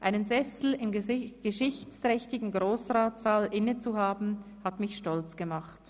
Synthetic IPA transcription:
ʔaɪnənzɛsl̩ɪmɡ̥əʃɪçt͡stʁ̥ɛçtɪɡŋ̩ɡʁoːsʁaːtz̥aːlʔɪnət͡suɦaːbn̩ | hatmɪçʃtɔlt͡sɡ̥əmaχt

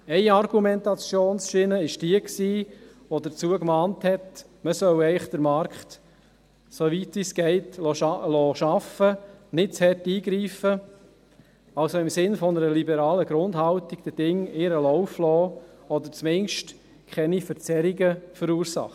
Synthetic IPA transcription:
ɛɪɑrɡumɛntɑt͡sjoːnsʃɪnəɪʃd̥iəksiːʋodəɾt͡suəkmɑːnthɛt | məsœwɛɪχd̥əɾmɑɾkt | soʋitʋiːsɡ̥ɛɪtlɔlɔːʃɑfənɪtt͡shɛtiːɡɾiːfə | ɑlsoɪmsɪnfɔnəɾəlibɛɾɑːləɡɾʊndhɑltiɡd̥̪əd̥ɪŋɪɾəlɔʊflɔːɔd̪əɾt͡smɪŋʃt | kʰχɛnifəɾt͡sɛɾiɡəfəɾuːɾsɑ̰χə

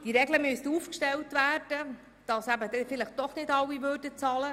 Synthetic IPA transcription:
d̥iɾɛɡləmystəuːfkʃtɛltvæːrd̥ə | d̥ɑsæbədɛfɪləχtd̥ɔχnɪdɑwːivøːɾdət͡sɑlə

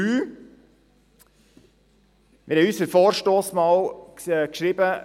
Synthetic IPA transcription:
yː | mʔɪɾhɛjysəɾfoːɾʃtoːsmɑːlkʃɾɪbə

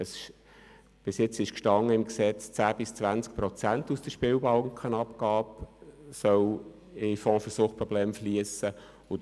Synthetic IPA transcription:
əsʃ | b̥ɪsjɪt͡sɪʃkʃtɑŋːəɪmksɛt͡st͡sæːbɪst͡svænt͡sk̚pɾɔt͡sæntusd̥əʃpɪwbɑlŋkχənɑpkɑːpsœw | ɪfɔ̃ːfəsuːχpɾɔblɛːmfliəsə | ʊ

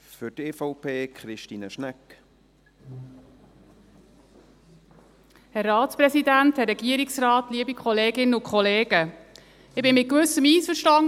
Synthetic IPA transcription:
fʏɾteːfɔʊpʰeːkʰχɾɪʃtiːnəʃnæk | hɛrːɑːtspɾɛsidænthɛrːɛɡ̥iəɾiksrɑːt̪liəbikχɔleːɡɪnəʊnkʰχɔleːɡ̥ə | ɪbɪnmɪt̚kʋʉsəmiːsfəɾʃtɑŋ

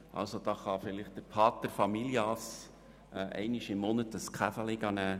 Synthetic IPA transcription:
ʔɑ̰lsod̥̪ɑːχɑfɪlɪχt̚d̥əɾpʰɑːt̪əɾfɑmiljɑs | ʔɛ̰ɪnɪʃɪmmɔnətəskʰχæfəlɪɡɑnæː

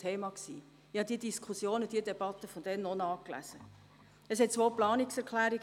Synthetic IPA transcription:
tʰeːmɑksiː | ɪhɑd̥̪iəd̥iskʰusjoːnəd̥iədɛb̥ɑt̪əfɔnd̪ɛnnːɔnɑːklæ̰zə | əsɦɛt̚t͡sʋoːplɑːniksɛɾkʰlæːɾiɡ

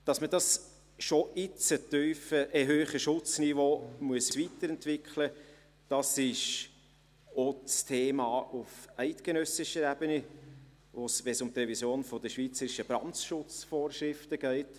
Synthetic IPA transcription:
d̥ɑsmədɑs | ʃoʔɪt͡sətyːfəʔɛɦøːχəʃʊt͡snivoːmuəsvitəɾɛntvɪkχlə | d̥ɑsɪʃ | ot͡stʰeːmɑːʔufɛɪtɡ̥enœsɪʃəɾæbəni | vosʋɛsʊmt̪rɛvisjoːnfɔdəʃviːt͡səɾɪʃəbɾɑnʃʊt͡sfoːɾʃɾɪftəɡ̥ɛɪt

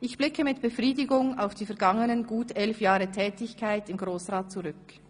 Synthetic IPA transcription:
ʔɪçb̥lɪkəmɪtb̥əfʁiːdɪɡʊŋaʊfd̥iːfɛɐɡaŋənənɡuːtɛlfjaːʁətʰɛːtɪçkʰaɪtɪmɡʁoːsʁaːt̚t͡suʁʏk

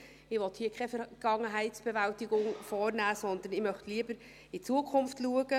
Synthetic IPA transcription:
ɪʋɔt̪hiːəkʰχɛfɛɾɡ̥ɑŋəɦæɪtsb̥ɛvæltɪɡʊŋfɔːɾnæːsɔndənɪmœχtliːəbəɾ | ɪt͡suəkʰʊmftluəɡ̥ə

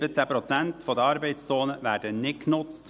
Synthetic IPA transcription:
b̥ət͡sæpɾɔt͡sænt̪fɔd̪əɑɾbɛɪtst͡soːnəvæːɾdənɪt̚knʊt͡st

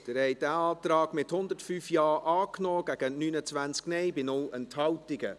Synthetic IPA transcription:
d̥əɾhɛɪdæːɑːtɾɑːɡ̥mɪthʊndətfyːfjɑːʔɑːknɔːɡ̥æɡ̥ənyːnət͡svænt͡sknɛɪbɪnʊlənthɑwtɪɡə

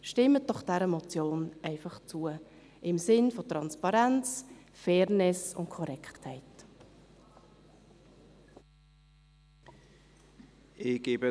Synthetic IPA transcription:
ʃtɪmːət̚d̥ɔχd̥ɛɾəmɔt͡sjoːnɛɪfɑχt͡suə | ʔɪmsɪnfotʁɑnspɑɾɛnt͡sfɛːɾnɪsʊ̰ntkʰɔɾɛkχthɛɪt | ɪɡeːbə

